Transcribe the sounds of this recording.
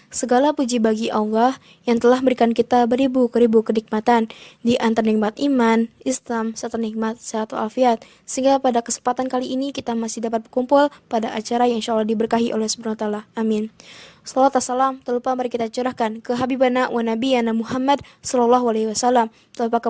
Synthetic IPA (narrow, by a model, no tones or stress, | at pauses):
səɡalapud͡ʒibaɡiʔalːah | jaŋt̪əlahbəɾikankit̪abəɾibukəɾibukənik̚mat̪andiʔant̪arnik̚mat̪̚ʔimanislamsat̪anik̚mat̪̚saat̪aa̰lfiat̪̚ | səɦiŋɡapadakəsə̥mpat̪ankaliʔːnikit̪amasɪhdapat̪̚bərkumpʊlpadaʔat͡ʃaɾajaŋinʃalːɑhdibərkaɦiʔo̰lɛhsə̥bunaat̪alaʔːmɪnsɔlat̪asalamt̪əlupamaɾikit̪at͡ʃəɾahkankəɦabibanaʔwanabijanamuɦamadsɔlɔlːɔɦualewasalam | t̪əlupak